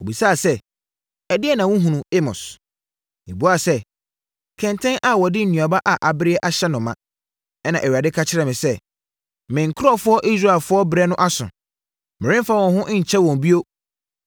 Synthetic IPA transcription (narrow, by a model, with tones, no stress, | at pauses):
o˨bi˨saː˦˨sɛ˦ | ɛ˨dɪ˦ɛ˦˨nã˨wʊ̃˦ɦũ˨nũ˨e˦mɔ̰̃˨s | e˨bu˦a˦˨sɛ˦ | kʰɛ̃˨ntʰɛ̃˦nʔa˨wɔ˨dɪ˦n̩˨nũ˨a˨ba˦ʔa˨ʔa˨bɪ˦ɾɪ˦ɛ˦ʔa˨ɕɛ˦nʊ̃˨mã̰˦ | ɛ˦nã˨ʔɛ˨ɥɾa˨dɪ˦kʰa˦t͡ɕʰɪ˦ɾɛ˨mɪ̃˨sɛ˦ | mɪ̃˨ŋ̩˨kʰɾɔ˦˨fʊ˦ɔ˦ʔi˦s̬ɾa˦˨e˨lfʊ˦ɔ˦bɾɛ˦nʊ̃˦ʔa˦sʊ̰̃˨ | mɪ̃˨ɾɪ̃˦m˦fa˦˨wɔ̃˨nɦʊ̃˦ʔɲ̩˨t͡ɕʰɛ˦wɔ̃˨m˨bi˦o˦